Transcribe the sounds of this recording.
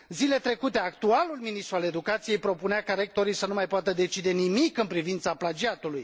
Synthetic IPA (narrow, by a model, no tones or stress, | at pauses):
zile̞t̪ɾe̞kut̪e̞akt̪ualulminist̪ɾuale̞d̪ukat̪sije̞jpɾo̞puneakaɾe̞k̚t̪o̞ɾijsənumajpoat̪əd̪e̞t͡ʃid̪e̞nimikɨnpɾivint̪saplad͡ʒiat̪uluj